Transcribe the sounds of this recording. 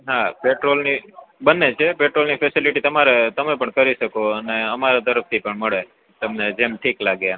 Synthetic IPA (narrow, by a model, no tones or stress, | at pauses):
ɦapeʈɾolnibənːet͡ʃʰepeʈɾolnifʰesiliʈit̪əmaɾet̪əmepəɳkəɾiʃəkoəneəmaɾat̪əɾəft̪ʰipəɳməɭe | t̪əmned͡ʒemʈʰiklaɡja